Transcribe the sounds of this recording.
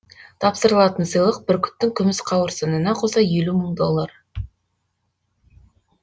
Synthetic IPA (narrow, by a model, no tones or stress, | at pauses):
t̪ʰɑpsəɾəlˠɑt̪ənsəjlˠəq̚bɪɾkʲʰʏ̥t̪ːɪŋkʲʰʏmɪsqʰɑwəɾsɑnənɑqʰosɑjeluməŋd̪o̞lˠːər